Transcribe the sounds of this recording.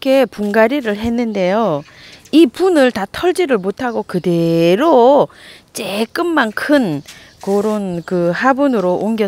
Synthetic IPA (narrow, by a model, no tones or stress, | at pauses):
kʰe̞puŋɡaɾiɾɯɭɦe̞nːɯnde̞jo | ipunɯɭtatʰʌɭd͡ʑiɾɯɭmotʰaɡokɯde̞ɾo | t͡ɕ͈ek͈ɯmmankʰɯn | koɾonkɯhabunɯɾoʔoŋɡjʌ